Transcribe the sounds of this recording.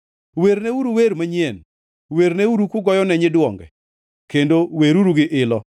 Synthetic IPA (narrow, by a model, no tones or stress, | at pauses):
weɾneuɾuweɾmaɲjen | weɾneuɾukuɡɔjɔnɛɲɪdwɔŋɡɛ̰ | kendoweɾuɾuɡɪʔɪlɔ